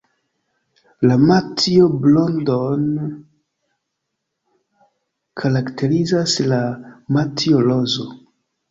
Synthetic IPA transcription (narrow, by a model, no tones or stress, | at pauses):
lamatioblondon | kʰaɾaktʰe̞ɾizaslamatʰiolozo